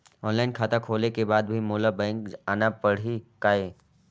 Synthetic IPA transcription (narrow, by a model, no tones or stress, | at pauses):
ɔːnlaːɪnkʰaːt̪akʰoːlekebaːd̪bʱimoːlabɛ̃ːŋkaːnapɐɽ̤ikaːeː